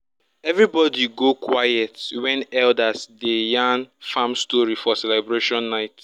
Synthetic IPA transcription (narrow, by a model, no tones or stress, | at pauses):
ɛvɹibɔdiɡokwajɛtwɛ̃nɛldasdejãnfãmstɔɹifɔsɛlɛbɹeʃɔ̃nːaɪt